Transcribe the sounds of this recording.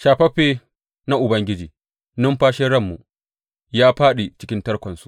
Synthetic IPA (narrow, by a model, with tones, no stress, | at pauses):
ʃaː˨ɸɐ˦ɸeː˦ | na˦ʔʊ˨bɐ˦ŋɡʲɪ˦d͡ʒiː˨ | nʊ˦mɸaː˦ʃɛ˦ɽɐ˦˨mːu˨ | jaː˦ɸaː˦ɗe˨t͡ʃɪ˦kʲɪ˦ntɐ˦rkʷɐ˨nsu̥˨ʔ